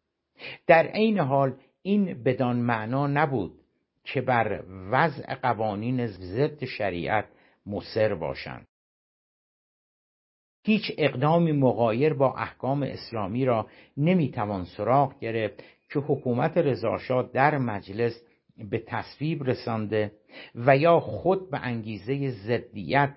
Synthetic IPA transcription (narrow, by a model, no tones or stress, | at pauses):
d̪̥æɾʔe̞jne̞ɦɒːl | iːnbe̞d̪ɒːnmæʔnɒːnæbuːd̪̥̚ | cʰe̞bæɾvæzʔḛɢævɒːniːneze̞d̪ːeʃæɾḭːʔæt̪̚ʰ | mose̞ɾbɒ̰ːʃæ̰nd̪̥ | hiːt͡ʃʰe̞ɣd̪ɒːmiːmoɣɒːje̞ɾbɒːʔæhkʰɒːme̞̰ʔeslɒːmiːɾɒː | ne̞miːt̪ʰævɒːnsoɾɒːɣɟe̞ɾeft̪ | cʰe̞hokʰuːmæt̪ʰe̞ɾe̞zɒ̰ːʃɒːd̪æɾmæd͡ʒle̞s | be̞t̪ʰæsviːbre̞sɒnd̪e̞ | væjɒːxod̪̚bḛʔæŋɟiːze̞jezed̪ːḭjæt̪̚